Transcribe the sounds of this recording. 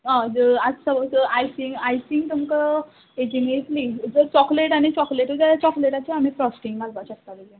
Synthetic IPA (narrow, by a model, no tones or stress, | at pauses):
ə̃d͡zəad͡zsəʋəsajsiŋkajsĩŋk̚t̪umkə | ed͡ʑineʈlid͡zəɾt͡ɕɔkleʈañit͡ɕɔkleʈəd͡ʑaat͡ɕɔkleʈat͡ɕeam̤ipɾɔsʈiŋɡɡalʋaɕəkt̪aʋəd͡ʑe